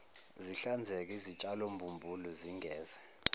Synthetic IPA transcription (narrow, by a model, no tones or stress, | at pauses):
ziɬand͡zʱek̬ʼizit͡ʃʼalombʱumbʱulɔziŋʱɛːzɛ